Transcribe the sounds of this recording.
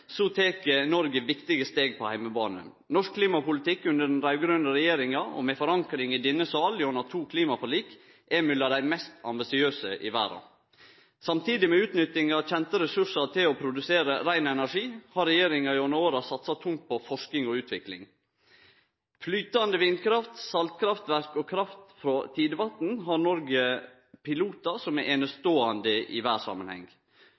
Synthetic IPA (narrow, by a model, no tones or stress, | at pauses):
sot̪ʰeːkənɔɾɡəʋɪkt̪ɪɡəst̪eːɡ̚pʰɔhæɪməbɑ̰ːnə̰ | nɔʂkʰliːmɑpʊlɪt̪ʰɪkːʉnd̪əɖɛnɾæʉɡɾʉnd̪əɾɛjeːɾɪŋɑɔ̰mɛfɔɾɑŋkɾɪŋɪd̪ɪnːəsɑːljɔnɑt̪ʰuːkʰliːmɑfɔɭiːk | ʔɛmʉlːɑd̪æɪmɛst̪ɑ̰mbɪsɪøːsəʔɪ̰ʋæ̰ːɾɑ̰ | sɑmt̪ʰiːd̪ɪmɛʉːt̪nʏt̪ɪŋɑçɛnt̪əɾɛsʉʂɑt̪ʰɪlɔpʰɾʊd̪ʉseːɾəɾæɪnɛnæʂiːhɑɾɛjeːɾɪŋɑɪɔnoːɾɑsɑt̪sɑt̪ʰʊŋt̪̚pʰɔfɔʂknɪŋɔʉːt̪ʰʋɪklɪ̰ŋ | flyːt̪ɑnd̪əʋɪnkʰɾɑft̪sɑlt̪kʰɾɑft̪ʋæɾkɔkʰɾɑft̪fɾot̪ʰiːd̪əʋɑt̪n̩ɦɑɾnɔɾɡə | pʰɪluːt̪ɑsɔmɛʔɛnəst̪oːɑnd̪əʔɪ̰ʋæːsɑ̰mənhɛ̰ŋ